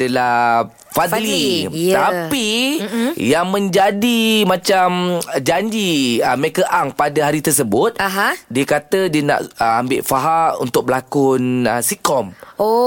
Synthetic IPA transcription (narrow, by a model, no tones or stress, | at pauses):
dala | fad̪lit̪api | jaŋmə̃ɲd͡ʒadimãt͡ʃamd͡ʒaɲd͡ʒiəmɾekəʔaŋpadaɦaɾit̪ərs̬əbʊt̪̚aɦadiəkat̪ədiənã̰ʔəambɪʔfaɦaṵnt̪ʊk̚bəlakʊnəsikɔmo